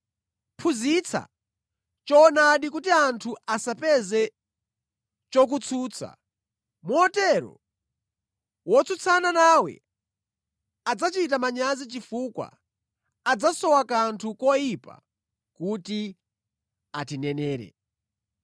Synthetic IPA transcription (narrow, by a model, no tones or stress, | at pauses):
pʰuzit͡sʰa̰ | t͡ʃɔːnaɗik̬utiantʰuasapɛzɛ | t͡ʃɔk̬ut͡sʰuːt͡sʰa̰ | muɔtɛɾɔ̰ | wɔt͡sʰut͡sʰananawɛ̰ | ad͡zat͡ʃit̬amaɲazit͡ʃifuːkwa̰ | ad͡zasɔwakantʰukɔjipa̰ | kuti | atinɛnɛːɾɛ̰